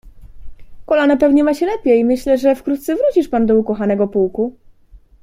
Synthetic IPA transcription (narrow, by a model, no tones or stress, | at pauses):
kɔlanɛpɛvɲɛmaɕɛlɛpʲjejmɘɕlɛʐɛfkɾut̪t̪sɛvɾut͡ɕiʂpand̪ɔukɔxanɛɡɔpuwku